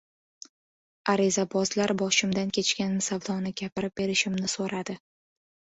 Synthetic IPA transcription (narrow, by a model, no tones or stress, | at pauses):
aɾɪzabɒzlaɾbɒʃɪmd̪ankʲʰe̞t͡ʃkʲanːsavd̪ɒnɪɡʲapɪɾɪp̚be̞ɾɪʃɪmnɪsoɾad̪ɪ